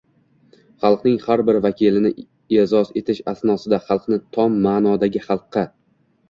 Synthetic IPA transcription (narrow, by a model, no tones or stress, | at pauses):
χɑlˠqnɪŋχaɾbɪɾvakʲilɪnɪ | ezɒze̞t̪ʰɪʃasnɒsɪd̪aχɑlˠqnɪt̪ʰɒmːaːnɒd̪aɡʲɪχɑlˠqʰːɑ